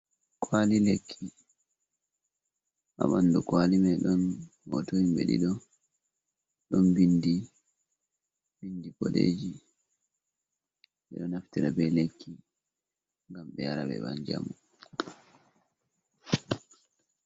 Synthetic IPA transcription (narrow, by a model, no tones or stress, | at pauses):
kʰwalilekʰːi | ʔa̰mandukwalimɛɗɔnhɔ̰toimɓḛɗḭɗɔ | ɗɔnbindi | bindipɔɗḛːd͡ʒi | ɓɛɗɔnaftiɗabɛlekʰːi | ŋɡamɓɛjaɾabɛ̰baɲd͡ʒa̰mu